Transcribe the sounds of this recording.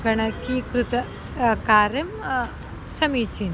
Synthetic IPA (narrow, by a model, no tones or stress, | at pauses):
ɡɐɳɐkikɾut̪ɐ | kaːɾɐm | sɐmiːt͡ʃin